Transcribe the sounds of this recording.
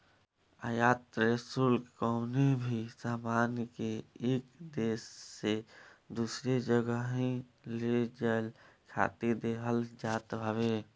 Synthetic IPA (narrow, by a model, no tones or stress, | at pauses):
a̰jaːt̪ɾesulkɔʊnebʱisaːmaːnkeeːkd̪eːsːed̪usɾed͡ʒəɡəɦẽled͡ʒalkʰa̰ːt̪id̪eɦəld͡ʒaːt̪ɦəbe